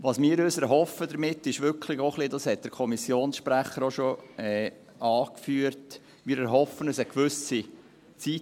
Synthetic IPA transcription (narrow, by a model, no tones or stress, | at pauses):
ʋɑsmiːɾøsæɾɦɔfədəɾmɪtːɪʃʋʏɾkʰlɪɡɔχlidɑshɛt̚d̥əɾkʰɔmisjoːnsʃpɾæχəɾoʃoɛː | ɑːkfyːəɾt | miːɾæɾɦɔfːənəsəkʋʏsi | t͡si